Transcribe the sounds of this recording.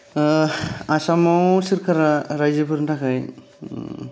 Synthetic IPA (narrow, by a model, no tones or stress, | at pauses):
asamɔwsiɾkʰaɾaɾajd͡ʒipʰɯɾntʰakaj